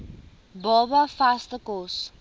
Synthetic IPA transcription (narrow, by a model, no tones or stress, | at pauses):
bɔbafastðəkɔs